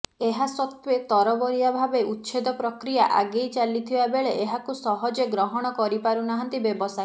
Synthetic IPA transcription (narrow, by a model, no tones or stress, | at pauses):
eɦasɔt̪wet̪ɔɾɔbɔɾijabʱabeut̪ːt͡ʃʰed̪ɔpɾɔkɾijaʔaɡejt͡ʃalit̪ʰibabeɭeeɦakusɔɦɔd͡ʒeɡɾɔɦɔɽ̃ɔkɔɾipaɾunaɦant̪ibebɔsa